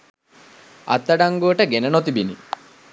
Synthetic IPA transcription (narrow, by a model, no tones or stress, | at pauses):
ʔɐ̰t̪ːɐɖaŋɡuəʈəɡenənot̪ibini